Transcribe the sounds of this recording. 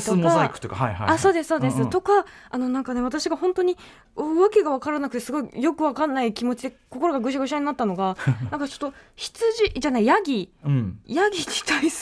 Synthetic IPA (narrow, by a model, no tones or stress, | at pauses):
t̪okaaikɯ̟t̪okaaiɦa̰asso̞ːd̪e̞sɨ̥so̞ːd̪esɨt̪o̞ka | ano̞nãŋkane̞βat̪aɕiɡahõ̞nt̪o̞ɲ̟i | oβake̞ɡaβ̞akaɾanakɯ̟t̪e̞sɨɡo̞ijo̞kɯ̟β̞akanːaikʲimo̞t͡ɕid̪e̞koko̞ɾo̞ɡaɡɯ̟ɕ̬aɡɯ̟ɕaɲ̟inat̪ːano̞ɡanãŋkat͡ɕo̞̥t̪ːoçi̥t͡sɨʑiʑanaijaɡʲĩ | jaɡʲiɡi̥t̪ai